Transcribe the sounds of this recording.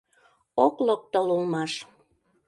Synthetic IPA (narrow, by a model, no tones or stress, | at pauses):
oklok̚t̪olulmɑʃ